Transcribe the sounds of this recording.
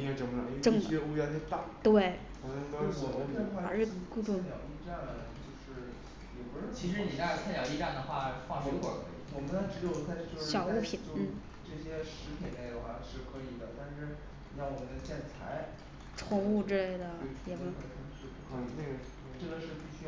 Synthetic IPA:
i˥ŋɛ˥˩ʈ͡ʂə˧˥nmə˧jɑ˨˩i˥˧ʈ͡ʂɤ˥ŋ˥˩jɛ˥u˥ɥɛ˧˥nt̪ə˧t̪a˥˩t̪we˥˩ɪ | a˨˩nə˥t̪wɔ˨˩mə˧˥˧kʰa˥˧˥a˨˧˥ə˥˧˥ku˥˧ʈ͡ʂʊ˥˧ŋjɑ˨˩ʊi˥˧ʈ͡ʂa˥˩n | t͡ɕjo˥˧ʊʂɻ̩˥˩ | jɛ˨˩ʊpu˧˥˩t͡ɕʰi˧˥ʂ̬ɻ̩˧˥ni˨˩na˥˩˥kʰa˥˧nɕjɑ˨˩ʊi˥˧ʈ͡ʂa˥˩d̪ə˩xwa˥˩fɑ˥˧ŋo˧˥kwa̰˨˩˦ | wɔ˨˩mə˦nʰa˥˩ʈ͡ʂɻ̩˧˥jo˨˩ʊkʰa˥ɪʂɻ̩˥˩ʂwɔ˥ɕɕjɑ˨˩ʊu˥˩pʰi˨˩˦n̩˥˩ | ʈ͡ʂɤ˥˩ɕjɛ˥ʂɻ̩˧˥pʰi˨˩nle˥˧ɪd̪ə˧xwa̰˥˧ʂɻ̩˥˩kʰɤ˧˥i˨˩d̪ə˦t̪a˥˧nʂɻ̩˥˧˨ | jɑ˥˩wɔ˨˩mə˦nd̪ə˧t͡ɕjɛ˥˩nt͡sʰa̰˧˥ɪ | ʈ͡ʂʰʊ˧˥ŋu˥˧ʈ͡ʂɻ̩˥˧le˥˩d̪ə˩˥˩jɛ˨˩mə˥˩˥ne˥˩˥ʈ͡ʂɤ˥˩ɡə˨ʂɻ̩˥˧pi˥˩ɕy˥jɑ˥

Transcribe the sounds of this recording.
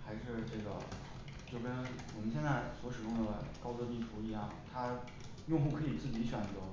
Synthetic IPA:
xa˧˥ɪʂɻ̩˥˧ʈ͡ʂɤ˥˩ɡə̰˩ | t͡ɕjo˥˩ʊkə˥nwɔ˨˩mə˦nɕjɛ˥˧nt͡sa˥˩ɪswɔ˧˥ʂɻ̩˨˩ʈ͡ʂʊ˥ŋd̪ə˨˩kɑ˥ʊt̪ɤ˥t̪i˥˩t̪ʰu˧˥i˧˥jɑ˥˩ŋt̪ʰa˥ | jʊ˥˧ŋxu˥˩kʰɤ˧˥i˨˩t͡sɹ̩˥˩t͡ɕi˧˥ɕɥɛ˨˩nt͡sɤ˧˥

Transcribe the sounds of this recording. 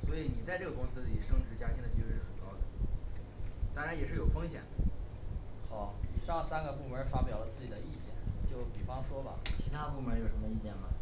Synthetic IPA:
swɔ˧˥i˧˥ni˨˩t͡sa˥˧ɪʈ͡ʂɤ˥˩ɡə˩kʊ˥ŋsɹ̩˥li˨˩ʂɤ˥ŋʈ͡ʂɻ̩˧˥t͡ɕja˥t̪ʰi˥ŋd̪ə˩t̪i˧˥we˥˧ʂɻ̩˥˩xə˨˩nkɑ˥ʊd̪ə˩ | t̪ɑ˥ŋɻa˧˥njɛ˨˩ʂɻ̩˥˩jo˨˩ʊfɤ˥ŋɕjɛ̰˨˩nd̪ə˦ | xɑ˧˩˦ʂɑ˥˩ŋsa˥nɡə˧pu˥˩mə˧˥fa˥pjɑ˨˩lə˦t͡sɹ̩˥˩t͡ɕi˨˩d̪ə̰˦i˥˧t͡ɕjɛ̰˥˩nt͡ɕjo˥˩ʊpi˨˩fɑ˥ŋʂwɔ˥bɐ̰˨t͡ɕʰi˧˥t̪ʰa˥pu˥˩mə˧˥jo˨˩ʊʂə˧˥mə˧i˥˧t͡ɕjɛ̰˥˩nmɐ˩

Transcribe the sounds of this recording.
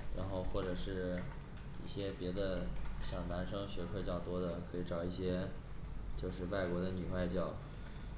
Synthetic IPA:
ɻa̰˧˥nxo˥˧ʊxwɔ˥˩ʈ͡ʂɤ˨˩ʂɻ̩˥˧ | ḭ˥˩ɕjɛ˥pjɛ˧˥d̪ə˧ɕjɑ˨˩ŋna˧˥nʂɤ˥ŋɕɥɛ˧˥kʰɤ˥˧t͡ɕjɑ˥˩ʊt̪wɔ˥d̪ə˨kʰɤ˧˥i˨˧˥ʈ͡ʂɑ˨˩ʊi˥˩ɕjɛ˥ | t͡ɕjo˥˧ʊʂɻ̩˥˧wa˥˩ɪkwɔ˧˥d̪ə˧ny˨˩xwa˥˧ɪt͡ɕjɑ˥˩ʊ

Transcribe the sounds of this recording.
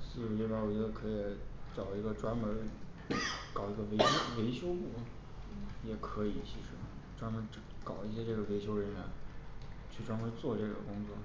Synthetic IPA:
sɹ̩˥˩˨i˥˩pa˥wɔ˨˩t͡ɕɥɛ˧˥d̪ə˧kʰɤ˧˥i˧˩ʈ͡ʂɑ˨˩ʊi˧˥ɡə˧ʈ͡ʂwa˥nmə˧˥ | kɑ˨˩ʊi˧˥ɡə˧we˧˥ɪɕʰjo˥ʊwe˧˥ɪt͡ɕʰjo˥ʊpu˥˩ | jɛ˨˩kʰɤ˧˥i˨˩t͡ɕʰi˧˥ʂɻ̩˧˥ | ʈ͡ʂwa˥nmə˧˥n˧˥kɑ˨˩ʊi˥˩ɕjɛ˥ʈ͡ʂɤ˥˩ɡə˩we˧˥ɪt͡ɕʰjo˥ʊɻə˧˥nɻa˧˥n | t͡ɕʰy˥˩ʈ͡ʂwa˥nxə˧˥t͡swɔ˥˧ʈ͡ʂɤ˥˩ɡə̰˩kʊ˥ŋt͡swɔ̰˥˩

